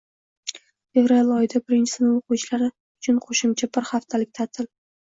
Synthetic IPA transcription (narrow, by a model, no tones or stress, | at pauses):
fe̞vɾalɒjɪd̪abɪɾɪnt͡ʃʰɪ̥sɪnɪŋoqʰʊwt͡ʃʰlaɾɪ | ʊt͡ʃʰʊnqʰoʃɪmt͡ʃʰabɪɾhaft̪ʰalɪk̚ʲt̪ʰat̪ʰɪl